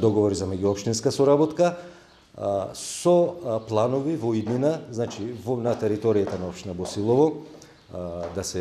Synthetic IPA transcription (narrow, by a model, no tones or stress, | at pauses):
d̪ɔɡɔvɔɾizamɛɟuɔpʃt̪inskasɔɾabɔt̪ka | sɔplˠanɔvivɔid̪minaznat͡ʃivɔnat̪ɛɾit̪ɔɾijat̪anaɔpʃt̪inabɔsilˠɔvɔ | d̪asɛ